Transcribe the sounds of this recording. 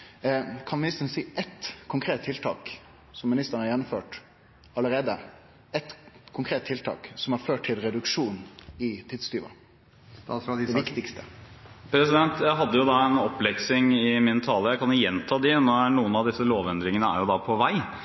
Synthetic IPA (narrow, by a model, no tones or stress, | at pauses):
kʰɑnmɪnɪst̪əɾn̩siːʔɛt̪kʰʊŋkʰɾeːt̪ʰːɪlt̪ʰɑ̰ːk | sɔmːɪnɪst̪əɾənhɑɾjɛnːɔmfø̰ːʈ | ɑlːəɾeːd̪ə | ɛt̪kʰʊŋkʰɾeːt̪ʰːɪlt̪ʰɑ̰ːksɔmæɾføːʈʰːɪlɾɛd̪ʉkʂuːnɪt̪ʰɪd̪st̪yːʋɑ̰ | ɛʋɪkt̪ɪkst̪əpʰɾɛsɪd̪ɛnt̪jæɪɦɑd̪ːəjʊd̪ɑɛnɔpːlɛksɪŋɪmɪnt̪ʰɑːləɾjæɪkʰɑnjʊjɛnt̪ʰɑːd̪ɪnɔænuːənɑʋd̪ɪsːəloːʋɛnd̪ɾɪŋənəæ̰ɾjʊd̪ɑpʰɔʋæɪ